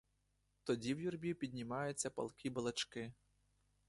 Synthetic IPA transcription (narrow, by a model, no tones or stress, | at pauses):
t̪ɔdʲiwjurbʲipʲid̪ʲnʲimɑjʊt͡sʲːɐpɐ̰lˠkʲibɐlˠɐt͡ʃkɪ